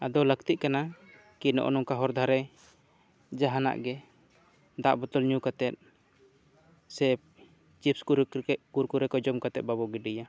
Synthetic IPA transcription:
ad̪ɔləkt̪iʔ̚kana | kinɔ̰ʔɔ̰nɔŋkaɦɔɾd̪ʱaɾɛ | d͡ʒaɦana̰ʔɡɛ | d̪aʔbɔt̪ɔlɲukat̪ɛt̪̚ | sɛ | t͡ʃipskuɾkuɾɛkɔd͡ʒɔmkat̪ɛt̪̚babɔɡɛɖija

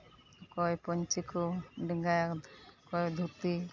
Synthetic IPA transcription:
kɔjpɔɲt͡ʃikɔɖiŋɡajakkɔjd̪ʱut̪i

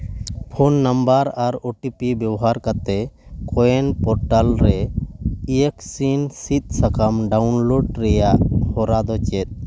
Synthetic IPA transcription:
pʰonːambaɾaɾoʈipibjɛwɔɦaɾkat̪ɛkʰɔjɛnpɔɾʈalɾɛ | ieksinsit̪̚ˀsakamɖaunloɖɾɛjaʔhɔɾad̪ɔt͡ʃɛt̪̚ˀ

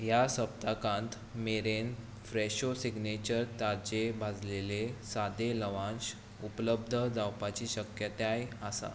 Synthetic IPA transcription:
jasəpt̪akãnt̪ | meɾen | fɾeɕosiɡnet͡ɕəɾt̪aɾd͡ʑebʱad͡zlelesad̪ʱeləʋãnɕ | upləb̚d̪ʱəd͡zawpat͡ɕiːɕəkjət̪ajasa̰

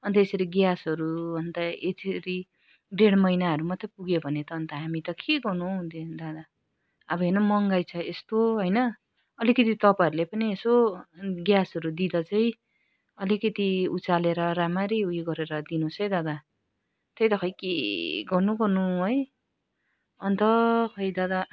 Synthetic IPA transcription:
ʌnt̪ʌesʌɾiɡjasʌɾuʌnt̪ʌetʰɾi | ɖeɽmʌjnaɦʌɾumʌt̪ːʌpuɡebʱʌnet̪ʌːnt̪ʌɦamit̪ʌkeɡʌrnũd̪ed̪ad̪a | ʌbʌɦenʌmʌŋɡajt͡sʰʌest̪oɦʌjnʌ | ʌlikʌt̪it̪ʌpaʌɾulepʌniesoɡjasʌɾud̪id̪ʌt͡sʌj̃ | ʌlikʌt̪iut͡saleɾʌɾamaɾiɦujɡʌɾeɾʌd̪inut͡sʰʌjd̪ad̪a | t̪ʌjd̪ʌkʰʌjkeɡʌnuɡʌrnuɦoj | ʌnt̪ʌkʰʌjd̪ad̪a

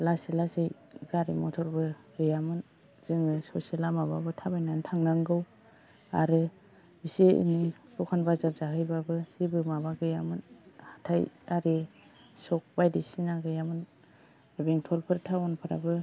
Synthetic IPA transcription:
laselasej | ɡaɾimɔtʰɔɾbɯɡɯjamɯn | z̥ɯŋɯsɔselamababɯtʰabajnantʰaŋnaŋɡɯw | a̰ɾɯ | iseḭnilɔkʰanbazazaɦɯjbabɯsebɯmaβaɡɯjamɯnhḁtʰajaɾi | sɔk̚bajdisinaɡɯjamɯn | ɾɯbiŋtʰɔlpʰɯɾtʰawɔnpʰaɾa̰bɯ

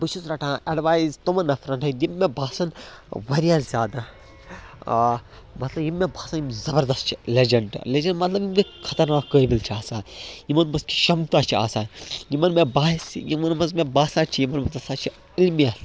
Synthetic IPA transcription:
bɨʃusɾɐʈʰãːʔɐɖʋaːjizt̪umɐnːɐfɾɐnʈɐd̪imːẽbʱaːsɐnʋɐɾijazʲaːd̪a | mɐt̪lɐbjimːebʱaːsɐnimzɐbɐɾd̪ɐst̪t͡ʃʰi̥led͡ʒɐɳɖled͡ʒɐɳɖmɐt̪lɐbimkikʰɐt̪ɐɾnaːkːəːibilt͡ʃʰiaːsaːnjimɐnmɐski̥ʃɐmt̪aːt͡ʃʰia̰ːsaːnjimɐnmẽbaːɦisjimɐnmɐzmẽbaːsaːnt͡ʃʰijimɐnmɐt̪ɐsaːt͡ʃʰi | ilmijal

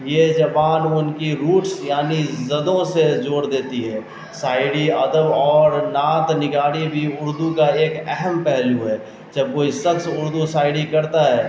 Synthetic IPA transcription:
jed͡ʒɐpaːnʊnkiɾuːʈsjaːnizɐd̪õsed͡ʒoːɽd̪eːt̪iɦɛː | saːɪɽiəd̪əʋɔːɾnaːt̪nɪɡaːɽibʱiʊɾd̪ukaeːkɛɦəmpɛɦluɦɛː | d͡ʒɐb̚koːisəksʊɾd̪usaːɪɽikɐɾt̪aɦɛː

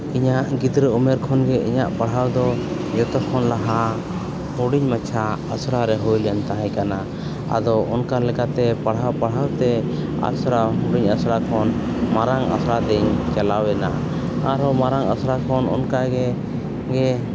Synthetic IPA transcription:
iɲaʔɡid̪ɾəɔmɛɾkʰɔnɡɛḭɲaʔpaɽ̤ɦawd̪ɔ | d͡ʒɛt̪ɔkʰɔnlaɦa | uɽiɲmat͡ʃʰaasɾaɾɛɦujljant̪aɦãjkana | a̰d̪ɔɔnkalɛkat̪ɛpaɽ̤apaɽ̤awt̪ɛ | a̰sɾauɽiɲasɾakʰɔn | maɾaŋa̰sɾad̪ɛɲt͡ʃɛlawɛna̰ | aɾɔmaɾaŋa̰sɾakʰɔnɔ̰nkaɡɛ | ɡɛ

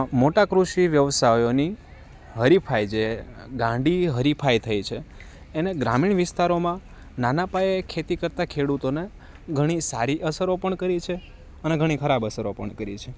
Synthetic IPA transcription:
moʈakɾuʃiʋjəʋsajoni | ɦəɾipʰajd͡ʒeɡãɳɖiɦəɾipʰajt̪ʰəjt͡ʃʰeː | neɡɾamiɳʋɪst̪aɾomã | nanapaekʰet̪ikəɾt̪akʰeɽut̪one | ɡʱəɽ̃isaɾiʔəsəɾopəɳkəɾit͡ʃʰe | əneɡʱəɽ̃ikʰəɾabəsəɾopəɳkəɾḭt͡ʃʰe

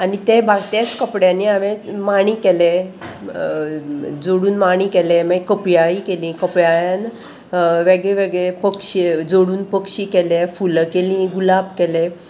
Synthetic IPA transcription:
anit̪ebʱaɡt̪at͡skəpɽjanːiaʋẽmaɽ̃ĩːkele | d͡zoɽuːnmaɽ̃ĩːkeleməkəpjaikelĩkəpjajan | ʋeɡɭeʋeɡɭepəkɕid͡zoɽuːnpəkɕikelefulkelĩɡulabkele

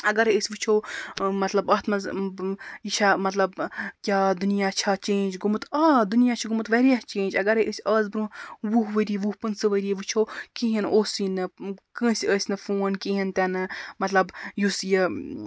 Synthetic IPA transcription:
ɐɡɐɾeəsʲʋɨt͡ʃʰoːmɐt̪lɐbɐt̪ʰmɐz | jiʃamɐt̪lɐbkʲaːd̪unijaːt͡ʃʰat͡ʃẽːnd͡ʒɡumɨt̪aːd̪unijaːt͡ʃʰiɡumɨt̪ʋɐɾijɐht͡ʃẽːnʲd͡ʒɐɡɐɾeʔəsʲəːzbɾũʋuɦʋəɾiʋuhpɨnsɨʋəɾiʋɨt͡ʃʰoːkiɦinoːsinɨkə̃ːsʲiəːsʲnɨfuːnkĩːɦint̪ʲanɨmɐt̪lɐbjusjə

